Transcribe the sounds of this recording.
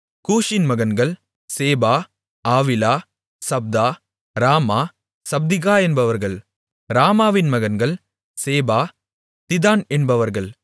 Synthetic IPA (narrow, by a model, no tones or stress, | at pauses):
kuːʂɪnmɐɣɐnɡɐɭ | seːbaː | aːʋɪlaː | sɐb̚d̪aː | ɾaːmaː | sɐb̚d̪ɪɣaːɛnbɐʋɐɾɣɐɭ | ɾaːmaːʋɪnmɐɣɐnɡɐɭ | seːbaː | t̪ɪðaːnɛnbɐʋɐɾɣɐɭ